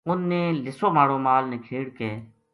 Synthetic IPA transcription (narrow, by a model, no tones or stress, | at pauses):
ʊnːeːlɪsoːmaːɽoːmaːlneːkʰeːɽkeː